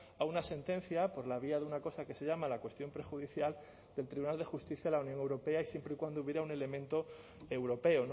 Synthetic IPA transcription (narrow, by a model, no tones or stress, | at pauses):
aunase̞nt̪e̞n̟θjapo̞ɾlaβ̞iaðunako̞sake̞se̞ʝamalakwe̞st̪jo̞mpɾe̞xuðiθjal | d̪e̞lt̪ɾiβunald̪e̞xust̪iθjalaunjoŋe̞wɾo̞pe̞aisje̞mpɾeikwand̪ouβjeɾaune̞le̞mẽ̞nt̪o̞ | e̞wɾo̞pe̞on